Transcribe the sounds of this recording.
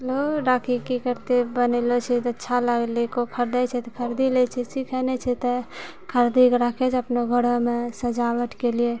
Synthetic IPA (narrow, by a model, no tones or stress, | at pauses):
ɦɛloɖakʰikikəɾt̪ebənelot͡ʃʰit̪ətːʃʰaləɡlekopʰəɾd̪ət͡ʃʰɛt̪ɔpʰəɾd̪ilet͡ʃʰisikʰənet͡ʃʰɛt̪ɔ | kʰəɾd̪ikɾəkʰed͡ʒəpnoɡʱəɽomesəd͡ʒawəʈkelie